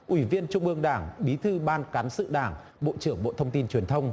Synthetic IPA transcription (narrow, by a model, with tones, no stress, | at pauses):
ʔwi˧˩vi˧ənt͡ɕʊ˧wŋ͡mʔɨ˧əŋɗaː˧˩ŋɓi˨˦t̪ʰɨ˧ɓaː˧nkaː˨˦nsɨ̰˧˨ɗaː˧˩ŋ | ɓo̰˧˨t͡ɕɨ˧˩əŋɓo̰˧˨t̪ʰə˧wŋ͡mt̪i˧nt͡ɕwi˨˩ənt̪ʰə˧wŋ͡m